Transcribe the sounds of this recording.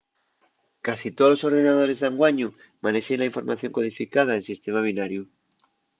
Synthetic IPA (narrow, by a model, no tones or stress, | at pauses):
kasit̪oloso̞ɾðenað̞oɾezðaŋɡwaɲu | maneʃelaiɱfo̞ɾma̰θjoŋkoðifikað̞aensist̪emaβ̞inaɾju